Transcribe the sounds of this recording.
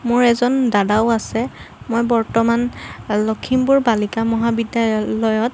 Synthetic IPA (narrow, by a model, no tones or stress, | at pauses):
mʊɹɛzɔndadaʊasɛ | mojbɔɹtɔmanlokʰimbʊɹbalikamɔɦabidjalɔjɔt̚